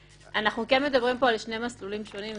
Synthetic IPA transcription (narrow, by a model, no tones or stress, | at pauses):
ʔanaχnukenme̞d̪abʁimpo̞alʃne̞maslulimʃo̞nim